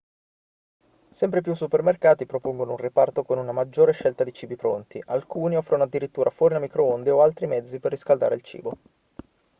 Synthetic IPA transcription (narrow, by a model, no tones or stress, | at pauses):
sɛmpɾep̬jusːupermerkaːt̪ipɾopoŋɡono̰unripart̪okonunamad͡ʒːoːɾeʃɛlt̪ad̪it͡ʃiːbipɾo̰nt̪iʔalkuːniɔfːɾonoad̪ːiɾit̪ːuːɾʔafwɔːɾinamikɾoond̪eoalt̪ɾimɛd̪zːiperːiskald̪a̰ːɾḛlt͡ʃḭːbo